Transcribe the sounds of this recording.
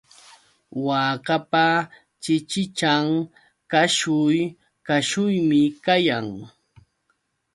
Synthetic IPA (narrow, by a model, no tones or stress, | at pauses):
waːkapa | t͡ʃɪt͡ʃɪt͡ʃaŋ | kaʃʊj | kaʃʊjmɪkajaŋ